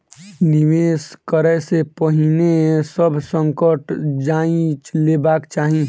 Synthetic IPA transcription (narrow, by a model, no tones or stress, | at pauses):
nɪʋeːskəɾɛsepəɦinesəbʱsə̃ŋkəʈd͡ʒaːĩt͡ʃleːbaːkt͡ʃaːɦĩ